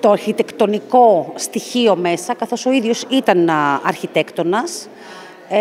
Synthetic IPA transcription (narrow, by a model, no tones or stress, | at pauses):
t̪o̞ɐɾçit̪e̞kt̪o̞niko̞st̪içio̞me̞sɐkɐθo̞so̞iðʝo̞sit̪ɐnɐ̰ɾçit̪e̞kt̪o̞nɐs